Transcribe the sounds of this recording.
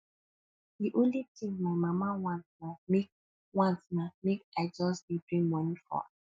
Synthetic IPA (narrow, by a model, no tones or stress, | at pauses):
diʔõnlitĩŋmaɪmamawãnsnamek | wãnsnamekaɪd͡ʒɔsdidɹĩŋwɔnifɔ̰a̰